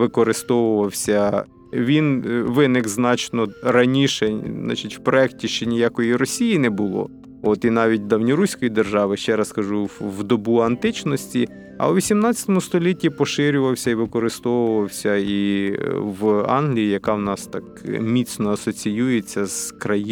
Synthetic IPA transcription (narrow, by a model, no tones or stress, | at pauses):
ʋɪkɔɾɪst̪ɔʋʊʋɐwsʲɐ | ʋʲinʋɪnɪkznɑt͡ʃnɔɾɐnʲiʃɛnɑ̰t͡ʃɪtʲwpɾɔɛktʲiʃt͡ʃɛnʲɪjɑkɔjiɾɔsʲijinɛbʊlˠɔ̰ | ɔt̪inɑʋʲit̚ʲd̪ɐwnʲiɾusʲkɔjid̪erʒɑʋɪʃt͡ʃɛɾɐskɐʒuwd̪ɔbuɐnt̪ɪt͡ʃnɔsʲtʲi | ɐ̰wʋʲisʲimnɑt͡sʲːɐt̪ɔmʊst̪ɔlʲitʲːipɔʃɪɾʲʊʋɐwsʲɐiʋɪkɔɾɪst̪ɔʋʊʋɐwsʲɐi | ʋɑ̰nɦlʲijijɐkɑwnɑst̪ɑk̚mʲit̪snɔɐsɔt͡sʲijujet͡sʲːɐz̥kɾɐj